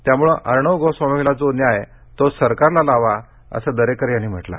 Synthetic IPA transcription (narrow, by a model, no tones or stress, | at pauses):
t̪jamuɭəʔəɾɳəʋɡosʋamiilad͡zonjaɦe | t̪osəɾkaɾlalaʋa | ə̰səd̪əɾekəɾjanːim̤əʈla̰